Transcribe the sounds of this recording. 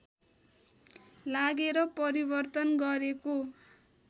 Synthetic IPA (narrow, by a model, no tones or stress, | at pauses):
laɡeɾʌpʌɾibʌrt̪ʌnɡʌɾeko